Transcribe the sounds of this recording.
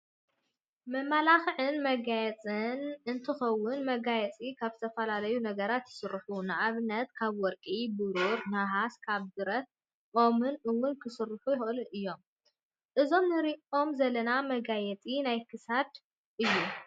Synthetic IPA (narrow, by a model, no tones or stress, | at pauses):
mɐmːalaxʕɨnmɐɡajɛt͡sʼɨnʔɨnt̪ʰɨxɐwːʊnmɐɡajɛt͡sʼikʰaβzɨt̪ʰɐfɐlalɐjunɐɡɐɾat̪jɪ̥sɨrːħunɨʔaβɨnːɐt̪kʰaβwɔɾkʼibɨɾuɾnaɦaskʰaβd̪ɨɾɐt̪̚ | ʔo̞mɨnʔɨwːʊnkʰɨsɨrːħujɪxʔɨluʔɨjːo̞m | ʔɨzo̞mnɨɾiʔo̞mzɐlːɐnamɐɡajɛt͡sʼinajkʰɨsad̪ | ʔɨjːu